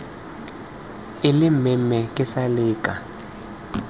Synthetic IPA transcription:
ɪlɪmɛmɛkʼɪsaliːkʼa

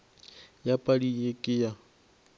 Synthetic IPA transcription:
japʼadiekʼɪja

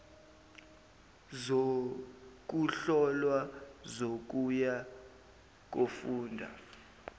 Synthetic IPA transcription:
zo | k̬ʼuɬɔlwazok̬uja | k̬ʼofuːndʱa̰

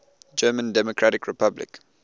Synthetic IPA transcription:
d͡ʒɜːmə̃ndɛmɔkʰɹaɾɪkɹɪpʰablɪ̰k

